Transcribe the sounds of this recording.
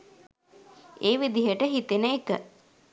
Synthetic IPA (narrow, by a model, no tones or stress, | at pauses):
eːʋid̪iɦəʈəɦit̪enəekə